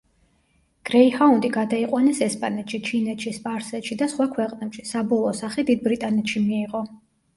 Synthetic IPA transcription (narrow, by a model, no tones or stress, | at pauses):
ɡ̥ɾɛihaund̪ʼiɡad̪aiqʼwanɛsɛspʼanɛt̪ʃit͡ʃʰinɛt̪ʃispʼaɾsɛt̪ʃid̪asχwakʰwɛqʼnɛpʃisabɔlˠɔːsaχɛd̪id̪̚bɾit̪ʼanɛt̪ʃimiːʁɔ